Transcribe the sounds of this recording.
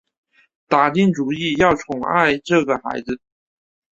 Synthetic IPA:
t̪a˨˩t̪i˥˩ŋʈ͡ʂu˨˩i˥˧jɑ˥˩ʊt͡sʰʊ˨˥ŋa̰˥˧ɪʈ͡ʂɤ˥˩ɡə˩xa̰˧˥ɪd͡zɹ̩˧

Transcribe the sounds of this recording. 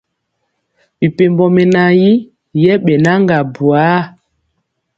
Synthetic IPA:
ɓi˨pe˨mbɔ˨mɛ˨na˨ji˦ | jɛ˦ɓɛ˨na˦ŋɡa˨bu˨a˨˦

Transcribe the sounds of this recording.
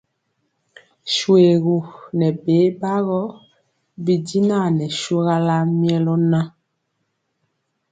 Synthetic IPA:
ʃwe˨ɣu˨nɛ˨be˨˦ba˦ɣɔ˦ | bi˨di˦na˦˨nɛ˨ʃo˦ɣa˦la˦mjɛ˦lɔ˦na˦

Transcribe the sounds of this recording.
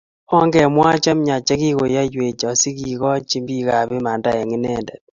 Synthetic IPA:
ɔ˦ŋɡɛ˨mwa˦t͡ʃa˦m˦ɲa˨t͡ʃa˦ki˦ko˨ja˦jwe˨t͡ʃɔ˨si˦ki˨kɔ˦t͡ʃi˦mbi˦ka˨βe˦ma˨nda˦ɛ˨ŋɪ˦nɛ˦ndɛ˨t̚

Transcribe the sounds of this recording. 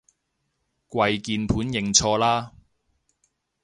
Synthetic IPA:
kwɐ˧jkiː˧npʰuː˨˥njɪ˨˩ŋt͡sʰɔː˧laː˥

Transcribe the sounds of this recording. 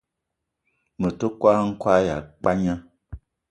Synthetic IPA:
mə˨to˦kwa˦ŋ̩˦kwa˦ja̰˨k͡pa˦ɲã˦

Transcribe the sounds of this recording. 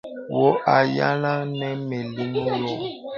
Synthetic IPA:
wo˦ʔa˨ja˦la˦nɛ˦mɛ˨li˦nu˦jɔ˦

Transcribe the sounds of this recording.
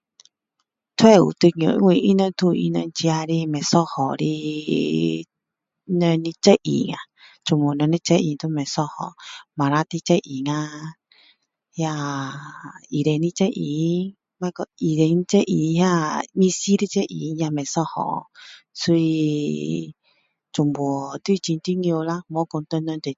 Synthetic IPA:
t̪ʰwɛ˦˨ṵ˨t̪ɨ˧ɲ˧õ̰˨˧ŋwʷĩ˧ʔi˦nə̃˧n˦t̪u˧ḭ˧nə̰̃˧n˧t͡ʃi˧a˧ɾi˧mɛ̃˨sɔ˦hɔ˨ɾi˧ | nə̃˧nĩ˧t͡ʃɛ˦ʔḭ˨˧ŋã̰˨ | t͡ʃu˧˨mũ˨˧nə̃˧nĩ˧˦t͡ʃe˦ʔḭ˧˨˧t̪u˦˧mẽ˨sɔ˦˧hɔ̰˨mã˨ɾa˧˦t̪i˧t͡ʃe˦ʔi˨ŋã˧ | ja˧ | i˨ɾe˧nĩ˧t͡ʃɛ˦ʔi˨˦ | mã˧˦˧kɔ˧i˨ɾe˧ni˧˦t͡ʃɛ˦ʔi˨˧ha˦mĩ˧si˦ɾi˧˦t͡ʃɛ˦ʔḭ˨˧ja˧mɛ̃˨sɔ˦hɔ̰˨ | su˧˦i˧ | t͡ʃu˨mbu˨t̪u˦i˧t͡ʃi˧n˧t̪i˦ŋĩ˧o˧la˦mõ˨˦ko˧t̪o˧nɔ̃˧t̪e˨

